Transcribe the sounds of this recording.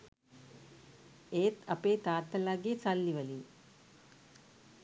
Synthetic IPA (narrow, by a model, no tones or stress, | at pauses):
eːt̪ʰɐpeːt̪aːt̪ːɐlaɡet͡salːiʋɐli